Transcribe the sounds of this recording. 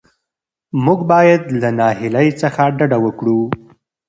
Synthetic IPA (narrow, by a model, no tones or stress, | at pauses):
muɡbɑjad̪lanɑɦɪlajt͡səxaɖaɖawəkɽu